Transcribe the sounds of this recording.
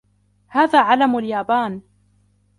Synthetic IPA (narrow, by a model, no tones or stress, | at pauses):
haːðaːʕalamaljaːbaːn